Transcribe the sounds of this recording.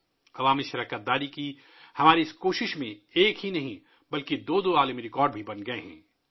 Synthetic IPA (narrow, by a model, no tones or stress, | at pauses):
ɐʋaːmiʃɐɾaːkət̪̚d̪aːɾiki | hɐmaːɾiɪskoːʃɪʃmẽeːkɦinɐɦĩ | bɐlkid̪oːd̪oːaːləmiɾɪkɔːɾɖbʱibɐnɡɐeɦɛ̰̃ː